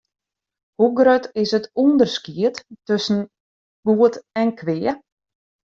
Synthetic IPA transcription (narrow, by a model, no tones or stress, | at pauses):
huɡrøtɪsətundərskiəttøsn̩ | ɡ̥uətɛnkʰʋɪːə